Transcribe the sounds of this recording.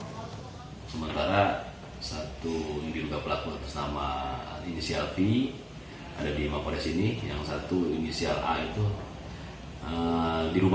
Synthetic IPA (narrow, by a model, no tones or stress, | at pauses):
səmənt̪aɾa | sat̪udiɾuɡapəlakuat̪ʊ̥snamainisialfi | a̰dadimakoɾɛsinijaŋsat̪uinisia̰la̰it̪u | ədiɾum